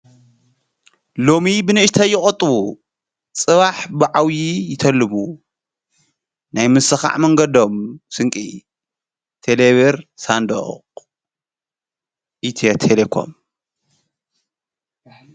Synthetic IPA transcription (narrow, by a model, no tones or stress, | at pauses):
lo̞mibɨnɨɨʃt̪ʰɐjɪχʼɐt̪ʼːβu | t͡sʼɨβaħbɨʕawjijɪt̪ʰɐlːɨmu | najmɨsɨxa̰ʕmɐŋɡɐd̪o̞msɨŋkʼḭ | t̪ʰeleβeɾsand̪o̰ | ʔit̪ʰiet̪ʰelekʰo̞̰m